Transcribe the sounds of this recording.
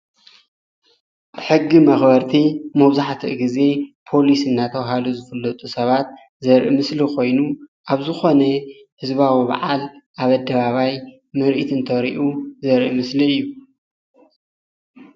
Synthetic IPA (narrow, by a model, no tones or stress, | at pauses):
ħɨɡːimɐxbɐɾt̪ʰimɐβzaħt̪ʰiʔɡize̞pʰo̞lisɨnːat̪ʰɐwɦaluzɨfɐlːɐt̪ʼusɐβat̪̚ | zɐɾʔḭmɨslikʰo̞jnuʔaβzɨxo̞nɐ | hɨzβawiβa̰ʕalʔaβɐd̪ɐβaβaj | mɨɾʔit̪ʰɨnt̪ʰɐɾḭʔuzɐɾʔimɨsliɨjːu